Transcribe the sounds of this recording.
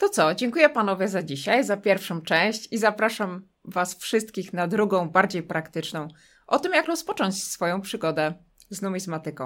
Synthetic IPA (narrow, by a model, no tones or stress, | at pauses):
t̪ɔt̪sɔd͡ʑɛŋkujɛpanɔvʲjɛzad͡ʑiɕajzapʲjɛɾfʂɔ̃w̃t͡ʂɛ̃w̃ɕt͡ɕizapɾaʂam | vasfʂɘst̪kʲixnad̪ɾuɡɔ̃w̃baɾd͡ʑejpɾakt̪ɘt͡ʂnɔ̃w̃ | ʔɔt̪ɘmjakɾɔspɔt͡ʂɔɲt͡ɕsfɔjɔ̃w̃pʂɘɡɔd̪ɛ | znumʲizmat̪ɘkɔ̃w̃